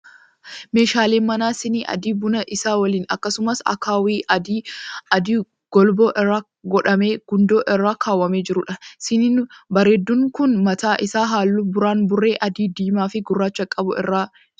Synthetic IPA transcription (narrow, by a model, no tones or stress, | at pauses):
me̞ːʃaːleːmɐnaːsɪniːʔɐ̰d̪iːbʊnɐʔɪsaːwɐliːnɐ̰kːɐsʊmɐsɐ̰kaːwiːɐd̪iːɐd̪iː | ɡ̥ɔlboːʔɪrːaː | ɡɔᶑɐmeːɡ̥ʊnd̪oːʔɪrːaːkʰaːwːɐmeːd͡ʒɪɾʊᶑɐsɪniːnbɐɾeːd̪ːʊŋkʊnmɐt̪aːʔɪsaːɦaːlːubʊɾaːnbʊrːe̞ːʔɐd̪iːd̪iːmaːfɪɡʊrːaːt͡ʃːɐkʼːɐbʊʔɪ̰rːaː